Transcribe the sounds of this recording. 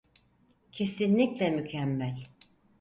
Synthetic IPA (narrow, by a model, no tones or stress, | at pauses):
cʰe̞sinlʲiclʲɛmycʰæmːælʲ